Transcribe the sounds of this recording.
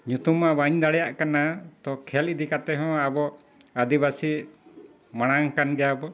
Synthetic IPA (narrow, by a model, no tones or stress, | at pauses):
ɲut̪umabaɲd̪aɽɛjaʔkanat̪ɔkʰɛlid̪ikat̪ɛɦɔ̃abɔ | ad̪ibasi | maɽ̃aŋkanɡɛjabɔ